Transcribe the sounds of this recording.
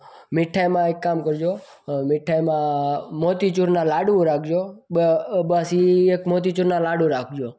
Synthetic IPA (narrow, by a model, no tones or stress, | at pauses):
mɪʈʰːajmãekːamkəɾd͡ʒo | mɪʈʰːajmãmot̪it͡ʃuɾnalaɽũɾak̚ʰd͡ʒo | bəsiekmot̪̬it͡ʃuɾnalaɽũɾak̚ʰd͡ʒo